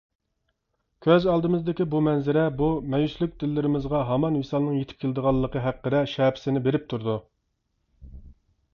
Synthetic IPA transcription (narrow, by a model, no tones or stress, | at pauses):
kʲʰøzɑlˠd̪ɨmɨzd̪ɪkʲibumɛnzɪɾɛbumɛjyslˠyk̚ʲd̪ɪlːɪɾɪmɪzʁɑɦɑmɑnwesɑlˠnɨŋjet̪ʰɪ̥p̚kʲʰelɪd̪əʁɑlˠːəqʰəɦæqːəɾɛʃɛːpʰɪ̥sɪnɪbeɾɪp̚t̪ʰuɾd̪u